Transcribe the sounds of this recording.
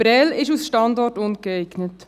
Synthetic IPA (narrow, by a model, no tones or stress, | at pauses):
ɾɛlɪʃusʃtɑndɔrtʊnɡ̥əɛɪɡ̥nət